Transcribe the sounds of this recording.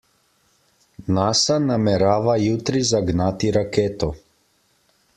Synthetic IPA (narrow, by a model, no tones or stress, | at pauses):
naːsanamɛɾaːʋajut̪ɾizaɡnat̪iɾakeːt̪ɔ